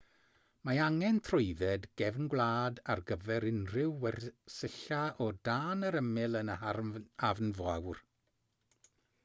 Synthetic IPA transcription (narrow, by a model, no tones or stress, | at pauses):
maaŋɛntʰrʊɨðɛdɡ̥ɛvnɡwlˠaːdarɡəvɛɾɪnrɪwːɛrsəɬaʔɔdaːnəɾəmɪlˠənəaavnvawr